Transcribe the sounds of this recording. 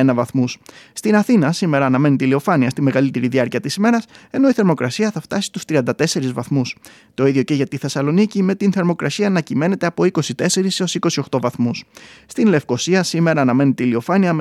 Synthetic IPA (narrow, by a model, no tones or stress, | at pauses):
enɐvɐθmusst̪inɐθinɐsime̞ɾɐːnɐme̞nit̪ilio̞fɐniɐst̪ime̞ɣɐlit̪e̞ɾiðiɐɾciɐt̪isime̞ɾɐse̞no̞iθe̞ɾmo̞kɾɐsiɐθɐft̪ɐsi̥t̪u̥st̪ɾiɐnd̪ɐt̪e̞se̞ɾizvɐθmus | t̪o̞iðjo̞ce̞ʝɐt̪iθe̞sɐlo̞nicime̞t̪inθe̞ɾmo̞kɾɐsiɐːnɐcime̞ne̞t̪e̞ɐpo̞iko̞sit̪e̞se̞ɾiso̞siko̞sio̞xt̪o̞vɐθmusst̪inle̞fko̞siɐsime̞ɾɐːnɐme̞nit̪ilio̞fɐniɐ